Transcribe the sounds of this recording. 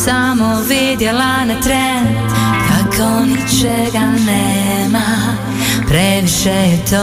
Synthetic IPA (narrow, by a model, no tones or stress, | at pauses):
samovid̪jɔlanɛt̪ɾɛ | n | kakʰːonit͡ʃɛɡanːɛ | ma | pɾɛviʃɛt̪ʰɔ